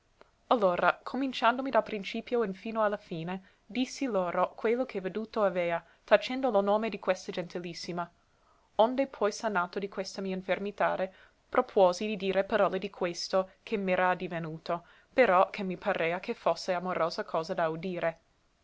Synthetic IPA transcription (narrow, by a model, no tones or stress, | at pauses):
alːoːɾʔakʰomint͡ʃand̪omid̪alpɾint͡ʃiːpjoinfiːnoalːafiːne | d̪isːiloːɾokwelːokʰeved̪uːt̪oaveːa | t̪at͡ʃɛnd̪olonoːmed̪ikwest̪ad͡ʒent̪ʰilisːima | ond̪epʰɔjsanaːt̪od̪ikwest̪amiːainfermit̪a̰ːɾe | pɾopʰwoːzid̪id̪iːɾepaɾɔːled̪ikʰwest̪okʰemːɛːɾad̪ivenuːt̪o | peɾɔkʰemːipʰaɾeːakʰefosːeamoɾoːzakʰɔːzad̪aud̪iːɾe